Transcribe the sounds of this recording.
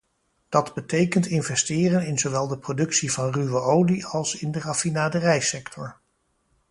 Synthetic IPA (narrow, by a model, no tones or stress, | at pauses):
d̥ɑdbətejkəntɪnvɛstɪːrənɪnzowʋɛlˠdəprodɵksivɑnryʋəowdiɑlˠsɪndərafinaːdərɛjsɛktʰɔɹ